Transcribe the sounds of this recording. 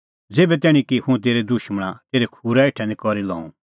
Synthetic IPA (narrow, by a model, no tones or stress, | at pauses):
d͡zeːbɛt̪ɛːɽ̃ĩkihũɛ̃t̪̬eːɾed̪ʊʃməɽ̃at̪eːɾekʰuːɾaeːʈʰɛ̃nd̪ikɔɾilɔ̰̃ːṵ̃